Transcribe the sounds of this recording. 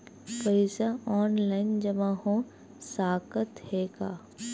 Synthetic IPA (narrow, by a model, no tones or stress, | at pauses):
pəɪsaɔːnlaːɪnd͡ʒɐmãhõː | saːkət̪heːkaː